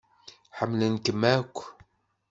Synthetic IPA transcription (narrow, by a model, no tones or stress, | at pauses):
ħəmːlənkəmækʷː